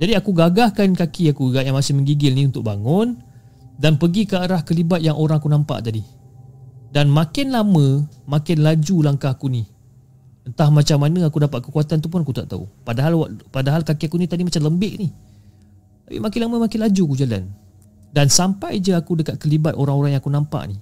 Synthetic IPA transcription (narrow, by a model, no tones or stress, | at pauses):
d͡ʒadiakuɡaɡahkankakiakuəɡaʔjaŋmasɪhməŋɡiɡɪlniunt̪ʊk̚baŋʊn | danpəɡikəaɾahkəlibat̪̚jaŋʔoɾaŋakunampa̰ʔt̪adi | danmãkɪnlamə̃makɪnlad͡ʒulaŋkahakuni | ənt̪ahmat͡ʃamːanəakudapat̪̚kə̥kuat̪ant̪̬up̬ʊnakut̪aʔ̚t̪a̰ṵpadaɦalwaʔpadaɦalkakiakunit̪adimat͡ʃamləmbɪʔni | t̪apḭmakɪnlaməmakɪnlad͡ʒuakud͡ʒala̰n | dansampajd͡ʒəakudəkat̪̚kəlibat̪oɾaŋoɾaŋjaŋakunãmpa̰ʔni